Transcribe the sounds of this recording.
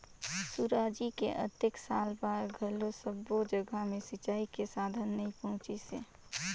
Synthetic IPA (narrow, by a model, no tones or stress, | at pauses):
suɾaːd͡ʒikeʔə̰t̪əksaːlbaːɾɡʱəlosəbːod͡ʒəɡəmẽsɪt͡ʃaːikesaːd̪ʱənːəɦĩpəɦʊ̃t͡ʃisḛː